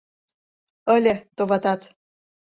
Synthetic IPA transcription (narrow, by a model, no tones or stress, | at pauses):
əlʲet̪oβɑt̪ɑt̪